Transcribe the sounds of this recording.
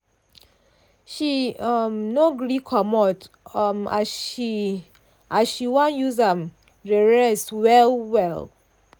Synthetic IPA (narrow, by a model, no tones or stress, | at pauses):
ʃiɔmnoɡɹikʰɔmɔt | mai | ʔazʃiwɔ̃njuzam | ɹeɹɛswɛlwɛlˠ